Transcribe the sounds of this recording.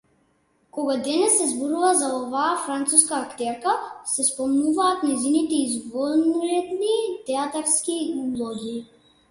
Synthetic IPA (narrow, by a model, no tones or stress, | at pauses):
kɔɡad̪ɛnɛsːɛzbɔɾuvazaɔvaːfɾant̪suskaːkt̪ɛɾkasɛspɔmnuvaːt̪nɛzinit̪ɛizɡvɔnuɾɛd̪nit̪ɛat̪aɾskiulˠɔɡʲi